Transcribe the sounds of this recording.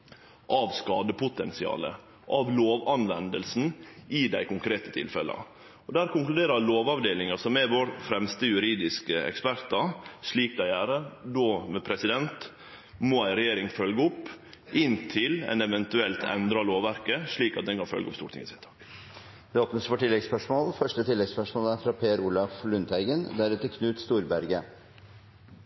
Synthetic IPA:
ʔɑʋskɑːd̪əpʊt̪ɛnsɪɑ̰ːlə̰ | ʔɑʋloːʋɑnʋɛnd̪əlsn̩ɪd̪æɪkʊŋkʰɾeːt̪ə̥t̪ʰɪ̰lfɛlə̰ | ɔd̪æːɾkʊŋklʉd̪eːɾəloːʋɑʋd̪eːlɪŋɑsɔmɛʋoːɾfɾɛmst̪əjʉɾiːd̪ɪskəɛ̰kspæɾt̪ɑʂɭiːk̚d̪æɪæːɾəd̪oːmɛpʰɾɛsɪd̪ɛnt̪ | mɔæɪɾɛjeːɾɪŋfœlɡəʊpːʔɪnt̪ʰɪlɛ̰nɛʋɛnt̪ʉɛlt̪ʰɛ̰nd̪ɾɑloːʋæɾkəʂɭiːkɑt̪̚d̪ɛnkɑnfœ̰lɡəʊpst̪ṵːʈt̪ɪ̰ŋɪsɛt̪ʰɑ̥ːk | d̪ɛoːpnəsfɔʈɪlːɛɡspœʂmoːlfœʂʈət̪ʰɪlːɛɡspœʂmoːləæɾfɾɑːpʰeːæɾuːlɑflʉnt̪æɪɡənd̪æɾʉːt̪əkʰnʉːt̪st̪uːɾbæɾɡə

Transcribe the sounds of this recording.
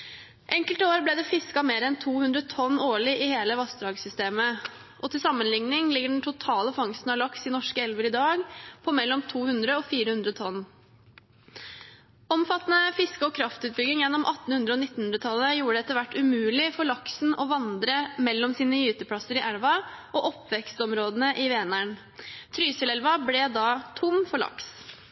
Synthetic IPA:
ʔɛŋkəlt̪oːɾblɛːd̪ɛfɪskɑmeːɾəɛnt̪ʰuːhʉnd̪ɾət̪ʰɔnːoːɭɪʔɪheːləʋɑsd̪ɾɑːɡsʏst̪eːmə | ʔɔt̪ʰɪlsɑmːənlɪŋnɪŋlɪɡːəɖɛn̩t̪ʰʊt̪ʰɑːləfɑŋst̪n̩ɑlɑksɪnɔʂkəɛlʋəɾɪd̪ɑːɡpʰɔmɛlːɔmt̪ʰuːhʉnd̪ɾəɔfiːɾəhʉnd̪ɾət̪ʰɔnː | ɔmfɑt̪ːnəfɪskəɔkʰɾɑft̪ʉːt̪̚bʏɡ̪ɪŋjɛnːɔmʔɑt̪ːn̩hʉnd̪ɾəɔnɪt̪ːnhʉnd̪ɾət̪ʰɑlːəjuːɾəɖɛɛt̪ːəɾʋæʈːʉmʉːlɪfɔɭɑksn̩ɔʋɑnd̪ɾəmɛlːɔmsiːnəjʉːt̪əpʰɽɑsəɾɪʔæɽʋɑʔɔʔɔpːʋɛkst̪ɔmɾoːd̪ənəʔɪʋeːɛnæɳ | t̪ʰɾyːsəlɛlʋɑblɛd̪ɑt̪ʰʊmfɔɭɑ̰ks

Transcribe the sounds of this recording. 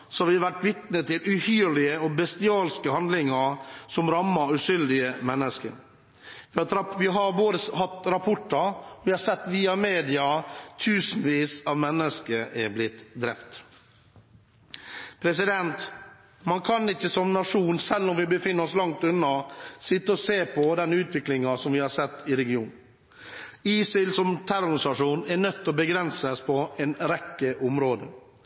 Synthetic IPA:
sɔɑɾʋɪʋæʈːʋɪt̪nət̪ʰɪlʉhyːɾɭɪəɔbɛst̪ɪɑːlskəhɑnd̪lɪŋɑɾsɔmɾɑmːɑʉʂʏld̪ɪəmɛnːəskə̰ɾ | ʋɪɑɾʋɪɦɑɾʋoːɾəhɑt̪ːɾɑpʰɔʈːɑɾɔʋɪhɑɾsɛt̪ːʋiːɑmeːd̪ɪɑt̪ʰʉːsn̩ʋiːsɑʋmɛnːəskəʔɛblɪt̪ːd̪ɾɛ̰ft̪ | pʰɾɛsɪd̪ɛnt̪ | mɑnkʰɑnɪçːəsɔmnɑʂuːnsɛlːɔmʋɪbəfɪnːəɾɔslɑŋt̪ʉnːɑsɪt̪ːəɔseːpʰɔd̪ɛnːʉːt̪ʋɪklɪŋɑsɔmʋɪhɑːɾsɛt̪ːɪɾɛɡɪuːn | iːsɪlsɔmt̪ʰæɾʊɾɪsɑʂuːnɛɾnœt̪ːɔbəɡɾɛnsəspʰɔɛnɾɛkːəʔɔmɾoːd̪ə

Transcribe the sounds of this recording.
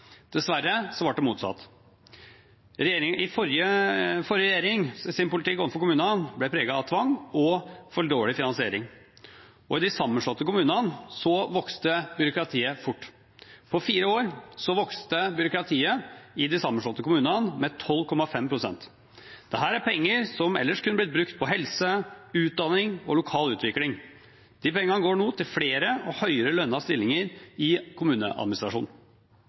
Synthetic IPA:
d̪̥ɛsʋæɾːəsɔʋɑʈ̚ɖ̪ɛmuːt̪sɑ̰t̪ː | ɾɛeːɾɪŋɪfɔɾjəfɔɾjəɾɛjeːɾɪŋsɪnpʊlɪt̪ɪkːɔnfɔɾkʊmʉːnɑənblɛpʰɾeːɡɑɑʋt̪ʰʋɑŋːɔfɔɭɖoːlɪfɪnɑnsɪeːɾɪ̰ŋ | ɔɪd̪ɪsɑmːənʂɭɔt̪ːəkʊmʉːnənsɔʋɔkst̪əbʏɾʊkɾɑt̪ʰiːəfʊʈː | pʰɔfiːɾəoːɾsɔʋɔkst̪əbʏɾʊkɾɑt̪ʰiːəɪd̪ɪsɑmənʂɭɔt̪ːəkʊmʉːnɑnmɛt̪ʰɔlːkʰɔmːɑfɛmpʰɾʊsɛ̰nt̪ | d̪̥ɛɦæːɾæɾpɛŋːəɾsɔmɛ̰lːəʂkʰʉnːəblɪt̪bɾʉkt̪̚pʰɔɦɛlsəʉːt̪̚d̪ɑnɪŋɔ̰lʊkʰɑːlʉːt̪ʋɪklɪŋ | d̪̥ɪpɛŋəɑnəɡoːɳuːt̪ʰɪlfɽeːɾəɔhœʏəɾəlœnːəɑst̪ɪlːɪŋəɾɪkʰʊmʉːnə̰ʔɑ̰d̪mɪnɪst̪ɾɑʂṵːn

